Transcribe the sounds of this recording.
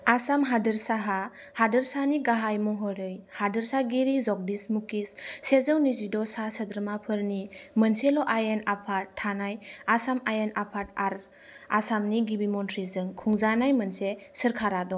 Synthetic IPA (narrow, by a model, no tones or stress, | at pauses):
asamɦadɯɾsaɦahadɯɾsaniɡaɦajmɔɦɔɾɯjhadəɾsaɡiɾizɔk̚dismukisːezəwnizidɔsasədɾmapʰɯɾnimənselɔʔajenapʰaanajasamajenapʰataɾ | asamniɡibimɔntʰɾizɯŋkʰuŋzanajmənsesəɾkʰaɾadɔ